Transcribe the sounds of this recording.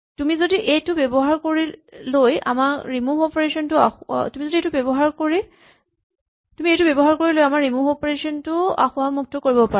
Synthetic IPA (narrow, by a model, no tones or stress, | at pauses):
tumizodiʔejtʊbebɔɦaɹkoɹiloja̰maɹɹimuɔpeɹesɔntʊatumizodiejtubebɔɦaɹkoɹi | tumiejtʊubebɔɦaɹkoɹilojamaɹɹimuɦɔpeɹesiɔntʊa̰xʊamuk̚tɔkoɹibɔpaɹ